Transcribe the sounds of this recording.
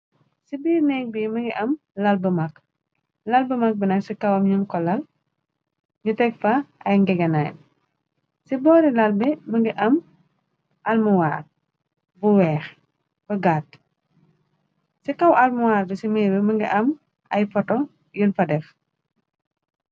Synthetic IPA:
sibiːrnɛk̚biməŋɡiʔɐm | lɐlbəmɐk | lɐlbəmɐk̚binɐksikɐwɐmɲuŋkɔlɐl | ɲutɛkfaɐjŋɡɛɡɐnaːn | sibɔːɾilɐlbɛməŋɡiʔɐm | ʔɐlmuwaːd̚ | buwɛːx | b̥ɐɡat | sikɐwʔɐlmuwaːɾbisimiːɾbɛməŋɡḭʔɐm | ʔɐjfɔtɔ | junfɐdɛf

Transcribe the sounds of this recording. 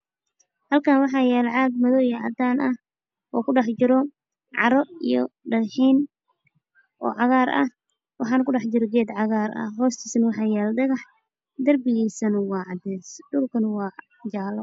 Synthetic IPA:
hɐlkʰaːnwɑħɑːjɛːlɛʕɑːd̪̚mɐðɔjʕɑ̰d̪aːnʔɐh | ʔɔːkʰʊɖɑħt͡ʃɪɾɔ | ʕɑ̰ɾɔijɔ̰ɖɐɣħiːn | ʔɔ̰ːʕɑɣaːɾɐ̰h | wɑħɑːnɐkʊɖɑħt͡ʃɪɾɔɡɛːd̪ʕɑɣaːɾɐ̰ɦɔːst̪ʰiːsɐnwɑħɑːjɛːlɖɐɣɑħ | d̪ɐrbɪɣiːsɐnɐwɑːʕɑd̪ɛːsɖʊlkʰɐnwɑː | d͡ʒaːlɔ

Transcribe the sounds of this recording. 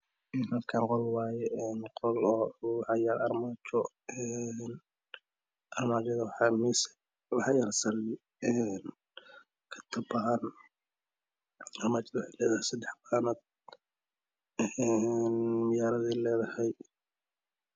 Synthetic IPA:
ɛnhɐlkʰaːŋqɔlwɑːjɛɛnqɔlɔwɑħɑjaɾɐrmaːt͡ʃɔ | ɛn | ʔɐrmaːt͡ʃɐðwmisɛ̥ | wɑħɑjɐrsɐlɪ | ɛːn | kʰɐ̥t̪ʰɐbɐhɐn | ɐrmaːt͡ʃɐðɐwɑħɑjlɛːðɐhɛjsɐd̪ɛħbaːnɐd̪̚ | ɛɛnmɪjaːɾɐðiːlɛːðɐhɛj

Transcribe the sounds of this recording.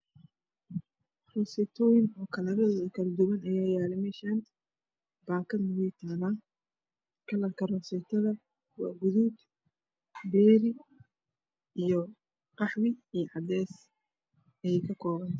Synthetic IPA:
rɔsɛt̪ʰɔːjɪnɔːkʰɐlɐɾɐðɔðɐkʰɐld̪ʊwɐnɐjaːjaːlɛmɛʃan | baːkʰɐnɐwɛjt̪ʰaːlaː | kʰɐlɐkʰɐrɔsɛt̪ʰɐðɐ | wɑ̰ːɡʊðud̪ | bɛːɾɪ | ʔijɔ | qɑħwɪijʕɑd̪ɛːs | ɛjɛkʰɐkʰɔːβɐn

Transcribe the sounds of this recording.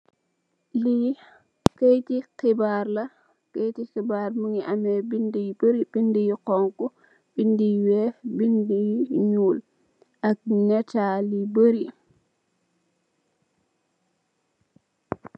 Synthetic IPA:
li | kejtikibaːɾla | kejtixibaɾmuŋiʔamɛbindibəɾib̥indijiqɔŋku | b̥indijwɛbindijiɲuːl | ʔak̚ɲɛtalibəɾi

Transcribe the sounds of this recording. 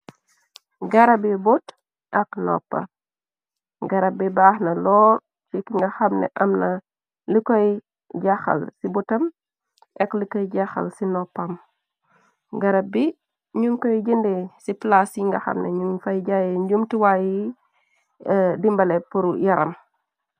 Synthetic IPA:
ɡɐɾɐbibut | ʔɐknɔ̰pːɐ̰ | ɡɐɾɐbibaːhnɐlɔːɾ | t͡ʃikiŋɡɐxɐmnɛ̰ʔɐmnɐ | likɔj | ɟaxɐ̰lsibutɐm | ʔɛklikɔjɟaxɐ̰lsinɔpːɐm | ɡɐɾɐbi | ɲuŋkojɟindesiplasjiŋɡɐxɐ̰mnɛ̰ɲufajɟajiɲɟumtiwaji | dimbɐlɛpuɾjɐɾɐ̰m

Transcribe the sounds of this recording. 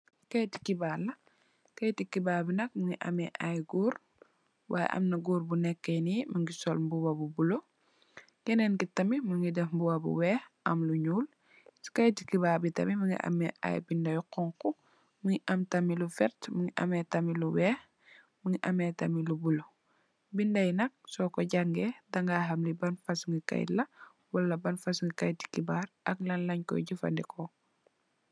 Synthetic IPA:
kɐjti̥kibalːɐ | kɐjtikibaːbinɐk̚mɐŋiʔɐ̰mɛʔajɡuːɾ | wʔaːjɛ̰ʔɐ̰mnɐɡuːɾbunɛkːɛnimɐŋɡisɔlmbuwɐbubulo | kɛnɛnkitɐmimɐŋɡidɛfmbuwɐbṵwɛːx | ɐmluɲuːl | si̥kɐjtikibaːbitɐ̰mimɐŋɡḭʔɐ̰mɛ̰ʔa̰jbindɐjuqɔŋku | muŋiʔɐmtɐmilufɛɾtmuŋiʔɐ̰mɛtɐmiluwɛːx | muŋiʔɐmɛːtɐmilubulo | bindɐjnɐk̚sɔkɔɟaŋɡɛdɐŋɡaːɦɐmlibɐnfasuŋɡika̰j̰tlɐ | wɐlːɐbɐnfasuŋɡikajti̥kibaːɾʔɐklɐnlɐɲkɔ̰jɟifɐ̰ndɛkʰɔ

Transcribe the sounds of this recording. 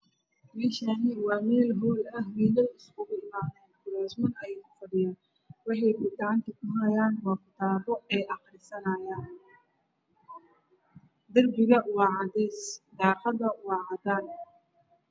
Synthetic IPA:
bɪʃanɪwɑːmɛːlɦuːlɐɦwiːlɐjɪskʰʊɣʊɪmaːðɛːnkʰʊɾaːsmʊnɐjɛkʰʊfɐɖɪja | wɑħɑjkʊɡɑʕɑnt̪ʰɐkʰʊɦɐjaːnwaːft̪ʰaːbɔɛːʔɑqɾɪsɐnɐjaːn | d̪ɐrbɪɣɐwɑːʕɑðiːsd̪ɑːqɐðɐwɑːʕɑd̪aːn

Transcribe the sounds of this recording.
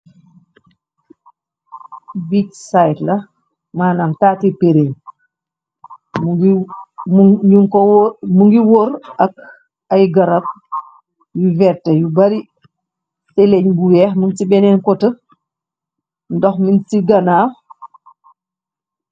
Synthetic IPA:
bitsajtlɐ | maːnamtaːtipeɾeɲ | mɡ | uŋkɔwmuŋɡiwɔɾʔɐk̚ | ɐjɡɐɾɐp̚ | juvɛtːɐjubɐɾi | tɛlɛɲbuwɛːxmuntibɛnɛnkɔtə | ndɔxmintiɡɐnaːw

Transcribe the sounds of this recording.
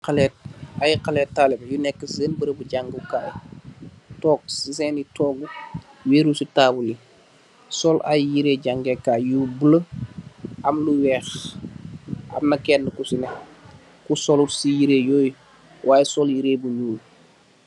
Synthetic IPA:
qalɛt̚ajqalɛːttːaːlɛbɐjunɛkːəssɛnbəɾəbuɟaŋɡukaːj | tɔːk̚sisɛnitɔːɡu | weːɾusitaːbuli | sɔlʔa̰jjiɾeːɟaŋɡɛkaːjjubulə | ɐmluwɛːx | ʔɐ̰nɐkɛnːəkusinɛ | kusɔlusijiɾejɔːj | wʔaːjɛsɔljiɾeːbuɲuːl

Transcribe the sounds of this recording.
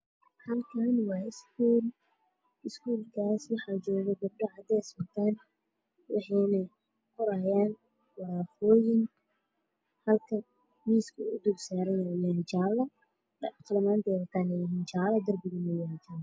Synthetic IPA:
hɐlkʰanwɑːɪskʰuːl | ɪskʰuːlkʰaːswɑħɑːd͡ʒɔːɣɛɡɐb̚ɖɔʕɑd̪ɛsmɐt̪ʰaːn | wɑ̰ħɛjnɐj | kʰɔɾaːjaːn | wɑɾaːfɔːjɪŋ | hɐlkʰɐ | miːskʰʊʊd̪ʊɡsaːɾɛjnɛjaːnt͡ʃaːlːɐ | dɐt̪lɐmaːnt̪ʰɛːðɐt̪ʰaːnɛjɪɦiːnt͡ʃaːlɐd̪ɐrbɪɣɪmɛjaːnt͡ʃɐ

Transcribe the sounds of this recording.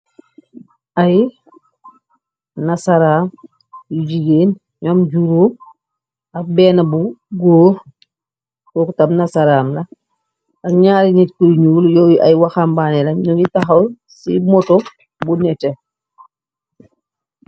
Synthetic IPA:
ʔaj | nasaɾaːm | juɟiɡeːn | ɲɔmɟuɾuː | ɐbɛnabuɡoː | kɔkutamnasaɾaːmlɐ | aɲaːɾinitkuɾɲuːljoia̰jwaxambanɛlɐɲɔitaxɐw | sḭmɔto | bunɛte

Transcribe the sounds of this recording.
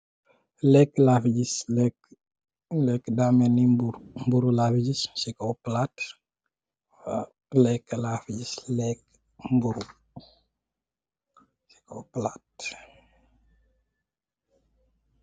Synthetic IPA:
lɛkːlafiɟislɛk | lɛkdaːmɛnibuɾmbuɾulaːfiɟissikowplaːt | fa | lɛkːəlafiɟislɛk | mbuɾu | si̥kowplaːt̚

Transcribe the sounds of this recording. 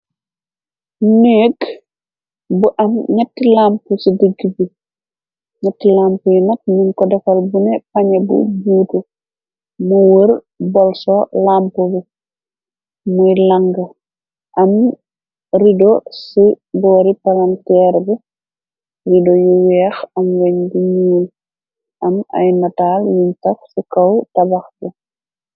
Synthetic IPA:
neːk | buʔɐmɲɐtːilampusidiɡːibi | ɲɐtːilaːmpujinɐt̚munkɔdɛkolbunɛpaɲɐbṵbuːtu | muwəɾ | bɔlsolampubu | mujlɐŋɡə | ʔɐm | ridɔsi | bɔːɾipɐlɐntɛːɾbɛ | ridɔjuwɛːxɐmwɛɲbiɲuːl | ʔɐmɐ̰jnɐtaːljintɐksikɐwtɐbɐxbɛ

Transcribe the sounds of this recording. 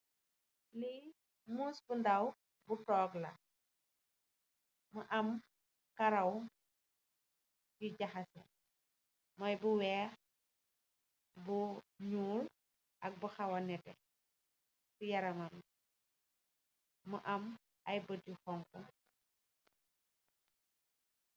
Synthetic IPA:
li | musbundɐw | butɔːklɐ̰ | məʔɐm | kɐɾɐw | jiɟɐxɐsɛ | mɐjbuwɛː | buɲuːl | ʔɐk̚buxɐwɐnɛtɛ̰ | sijɐɾɐmɐm | məʔɐm | ɐjbət̚uxɔŋku

